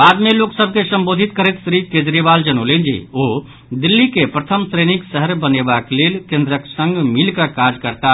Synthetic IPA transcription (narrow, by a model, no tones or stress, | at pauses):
bad̪meloksəb̚ʱkesəmbod̪ʱit̪̚kəɾɛt̪sɾiked͡ʒɾibald͡ʒənolend͡ʒḭo | d̪ilːikepɾət̪ʰəmsɾeniksəɦəɾbənebaklelkẽnd̪ɾəksə̃ŋɡmilkəkad͡ʒkəɾt̪a